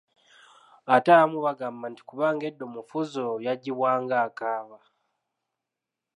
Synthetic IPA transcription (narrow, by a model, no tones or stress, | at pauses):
ataamuβaɡaːmbanti̥kuβaːŋɡe̞dːomufuzojaɟːiβwaːŋɡaːkaːβa